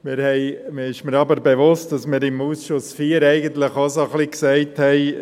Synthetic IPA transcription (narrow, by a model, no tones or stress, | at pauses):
mɪɾhɛɪmɪɪʃməɾɑbəɾbeʋʊst̚d̥ɑsmɪɾɪmuːsʃʊsfiːəɾɛɪɡənt̪ləχosoχliksɛɪthɛɪ